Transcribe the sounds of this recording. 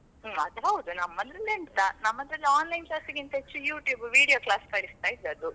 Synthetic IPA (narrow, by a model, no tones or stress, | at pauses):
ɐd̪ɦɐwud̪unɐmːɐd̪ɾɐlːeɳt̪anɐmːɐd̪ɾɐlːiaːnlɐjnklaːst̪iɡint̪ɐɦet͡ʃːujuːʈjuːbʋiːɽijoːklaːskɐːɭist̪aːjid̪ːeɐd̪u